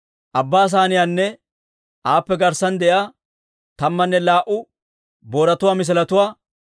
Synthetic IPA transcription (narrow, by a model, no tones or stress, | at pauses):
ʔɐbːaːs̬aːnɪjanːɛ | ʔaːpːɛɡɐɾsɐnd̪ɛjaː | t̪ɐmːɐnːɛlaːʔʊ | boːɾɐt̪ʊwaːmɪs̬ɪlɐt̪ʊwaː